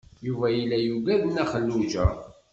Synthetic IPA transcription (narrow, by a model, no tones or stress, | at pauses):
juvæjilːæjuɡæðənæχəlːud͡ʒæ